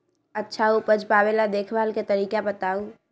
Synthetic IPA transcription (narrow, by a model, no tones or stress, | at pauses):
ətːʃʰaupəd͡ʒpaːbelad̪eːkʰbaːlket̪əɾiːkabət̪aːu